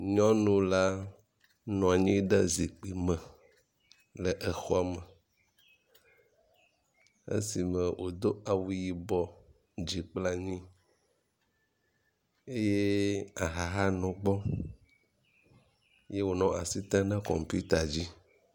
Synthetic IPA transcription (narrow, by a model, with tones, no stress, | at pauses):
ɲɔ̃˦nũ˦la˦ | nɔ̃˨a˨ɲĩ˦ɖɛ˦zi˨k͡pi˨mɛ̃˨ | lɛ˨ʔɛ˨xɔ˦a˨mɛ˨ | ḛ˦si˨mɛ̃˨wʔo˨d̪o˦a˨wu˨ji˨bɔ˦ | d͡ʒi˨k͡pla˦ɲĩ˦ | e˦je˦a˨ɦa˨ɦa˦nɔ̃˨ɡ͡bɔ˦ | je˦wo˨nɔ̃˦ʔa˨si˦t̪ã˦nɛ˦kɔ̰˨mpu˦t̪a˨d͡ʑi˦